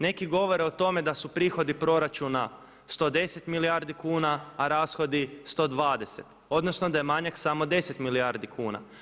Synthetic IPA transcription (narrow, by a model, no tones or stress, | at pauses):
ne̞kiɡo̞ʋo̞ɾeo̞t̪o̞me̞d̪asupɾiːxo̞d̪ipɾo̞ɾat͡ʃuna | st̪o̞d̪e̞se̞t̪milijaɾd̪ikuːnaːɾaːsxo̞d̪ist̪o̞d̪ʋaːd̪e̞se̞t̪ | o̞d̪no̞sno̞d̪ajemaɲaksamo̞d̪e̞set̪milijaɾd̪ikʰuːna̰